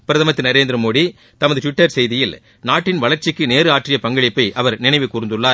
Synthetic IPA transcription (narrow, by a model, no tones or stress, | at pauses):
pɪɾɐðɐmɐt̪ːɯnɐɾeːnd̪ɪɾɐmoːɽi | t̪ɐmɐðɯʈʋɪʈːɐɾsɛjðɪjɪl | naːʈːɪnʋɐɭɐɾt͡ʃɪkːɯneːɾɯaːʈrɪjɐpɐŋɡɐɭɪpːɐɪʔɐʋɐɾnɪnɐɪʋɯkːuːɾɯnd̪ɯɭːaː